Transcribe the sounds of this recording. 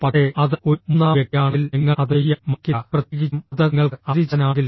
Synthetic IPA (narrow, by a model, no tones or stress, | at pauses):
pɐkʂeɐðɨomunːaːʋekːaːɳilniŋːɐɐðejɐmɐkːɐprɐt̪jekit͡ɕːmɐðɐŋːɐɭɐðit͡ɕːɐnaːɡilː